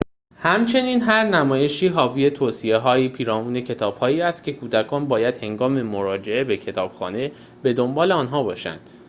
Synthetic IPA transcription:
hæmt͡ʃʰe̞niːnɦæɾnæmɒːje̞ʃiːɦɒːvie̞t̪ʰoːsie̞ɦɒːjipʰiːɾɒːmuːne̞cʰe̞t̪ʰɒːb̥hɒːiːæst̪̚cʰe̞kʰuːd̪ækʰɒːnbɒːjæd̪̥he̞ŋɡɒːme̞moɾɒːd͡ʒeʔe̞be̞cʰe̞t̪ʰɒːb̥xɒ̰ːne̞ | be̞d̪o̞mbɒːle̞ɒːnɦɒːbɒːʃæ̰nd̪̥

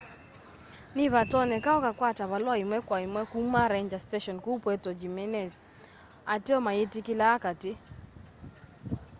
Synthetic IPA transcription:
nɪβatɔnɛkaɔkakwataβalwɔɪmwɛkwaɪmwɛkumaɾɛɲd͡ʒasteʃɔnkupwetɔd͡ʒimɛnɛz | atiɔmaɪtɪkɪlaːkatɪ

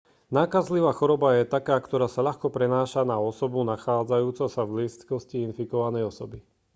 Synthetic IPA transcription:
naːkazliʋaːxɔɾɔbajɛt̪akaːkt̪ɔɾaːsaʎaxkɔpɾɛnaːʃanaɔsɔbunaxaːd͡zajuːt͡sɔsavlist̪kɔsciinfikɔʋanɛjɔsɔbi

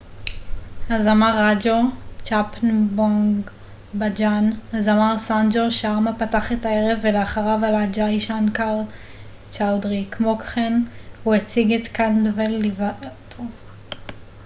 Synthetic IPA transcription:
hazamaʁad͡ʒot͡ʃapnboŋɡ | bad͡ʒanhazamaʁsand͡ʒoʃeaʁmapataχetaeʁevːeleaχaʁavalad͡ʒaiʃankaʁl | t͡ʃawdʁikmokχenhuet͡siɡetkandvelːivatʰo

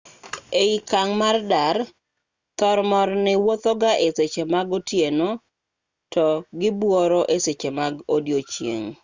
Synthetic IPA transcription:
eikaŋmardar | t̪ɔɾmɔɾnɪwot̪ɔɡaʔeset͡ʃemaɡotjeno | tɔɡɪbwɔɾɔʔeset͡ʃemaɡodjot͡ʃjḛŋ

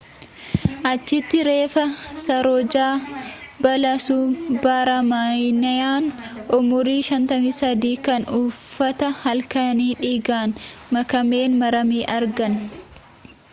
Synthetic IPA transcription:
ʔɐt͡ʃːɪt̪ːɪɾe̞ːfɐsɐɾɔd͡ʒaːbɐlɐsubaːɾɐmanɐjaːnʔʊmʊɾiːʃɐnt̪ɐmisɐd̪iːkɐnuːfːɐt̪ɐhɐlkɐniːᶑiːɡaːnmɐkɐmeːnmɐɾɐmiːʔɐɾɡɐn

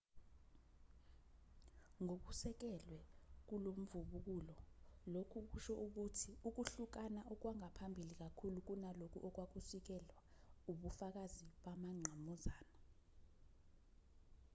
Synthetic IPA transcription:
ŋok̬usɛk̬ɛlwɛk̬ulom̩vuɓuk̬ulɔlokʰuk̬uʃɔʔuk̬utʰiuk̬uɬuk̬anaʔɔk̬waŋapʰambʱilik̬akʰuluk̬unalok̬ʰṵʔɔk̬wak̬usik̬ɛlwauɓufak̬aziɓamaŋ͡ǀʱamɔzaːna

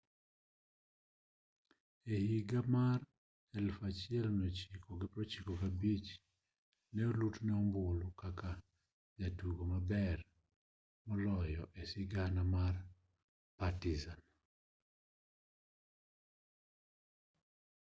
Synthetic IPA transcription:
ehiɡamar | ɛlfat͡ʃɪɛlmɛt͡ʃikʰoɡɪpɾɔt͡ʃikokabit͡ʃ | nɛolutnɛɔmbʊlʊkaka | d͡ʒatuɡomabɛr | mɔlɔjɔʔesɪɡanamar | patizan

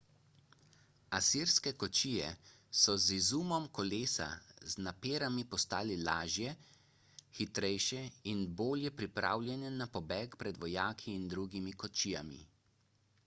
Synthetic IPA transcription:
asiɾskɛkɔt͡ʃiːjɛ̰ | sɔzizuːmɔmkɔleːsa̰znapeːɾamipɔst̪aːlɛlaːʒjɛ | xit̪ɾɛjʃɛinboːljɛpɾipɾa̰ːwlʲjɛnɛnapɔbɛːkpɾɛd̪ʋɔjaːkʰiːnd̪ɾuɡimikɔt͡ʃiːja̰mḭ

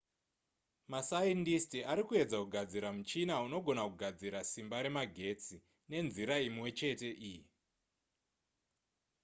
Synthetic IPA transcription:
masaindistiaɾikue̞d͡zakuɡʱad͡ziɾamut͡ʃinauno̞ɡʱo̞nakuɡʱad͡ziɾasimbaɾe̞maɡʱe̞t͡si | ne̞nziɾaimwe̞t͡ʃe̞te̞ʔiji

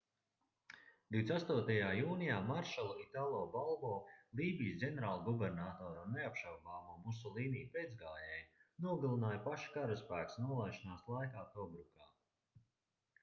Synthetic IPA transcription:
d̪̥ʲiwd̪sast̪uɔt̪ajaːjuːnijaːmaɾʃɛlˠuit̪aːlˠɔːbalˠbɔːlˠiːbijsɡʲeneɾaːlˠɡɔbɛɾnaːt̪ɔːɾneapʃawbaːmuːmus̬ɔlˠiːniːped̪zɡaːjɛjnuɔɡalˠinaːjpaʃḁkaɾuspæːksnuɔlˠajʃinaːslˠajkaːt̪ɔbɾukaː

